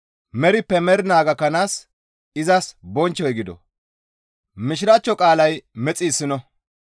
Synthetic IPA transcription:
mɛɾɪpːɛmɛɾɪnaːɡɐkɐnaːs | ɪzɐsbɔnt͡ʃːɔjɡɪd̪ɔ̰ | mɪʃɪɾat͡ʃːɔkʼaːlɐjmɛt͡sʼiːsːɪnɔ

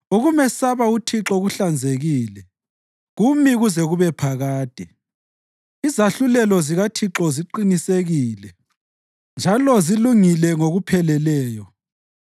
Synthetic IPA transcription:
uɣumɛsaβautʰiǁɔɣuɬand͡zʱeɣiːlɛ | ɣumiɣuzɛɣuβɛpʰaɣaːd̥ʱi | izaɬulɛlɔziɣatʰiǁɔziǃiniseɣiːlɛ | nd͡ʒʱalɔziluŋilɛŋoɣupʰɛlɛlɛːjɔ

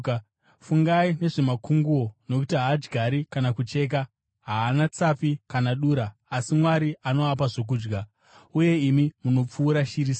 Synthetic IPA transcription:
fuŋɡaine̞ʐe̞makuŋɡuo̞no̞kutiɦaad͡ʒɡʱaɾikanakut͡ʃe̞ːk̬a | ɦaːnat͡sapikanaɗuːɾaːsimwaɾiʔanoap̬aʐo̞k̬uːd͡ʒɡa | uje̞imimuno̞p͡fuːɾaʃiɾiːs

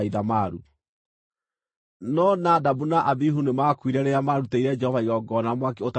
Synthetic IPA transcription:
iðamaɾu | nɔnadabunaʔabiɦunemakwiɾɛɾeamaɾuteiɾɛd͡ʒɛhɔvaiɾɔɡɔnamwakeota

